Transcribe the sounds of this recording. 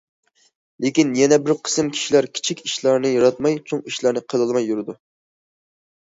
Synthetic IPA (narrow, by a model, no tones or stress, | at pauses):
lɪkʲinjɛnɛbɪɾqʰə̥sɨmkʲʰi̥ʃilæɾkʲʰi̥t͡ʃʰikʲiʃlˠɑɾnɨjɑɾɑt̪mɑjt͡ʃʰoŋiʃlˠɑɾnɨqʰəlˠɨlˠmɑjːuɾɨd̪u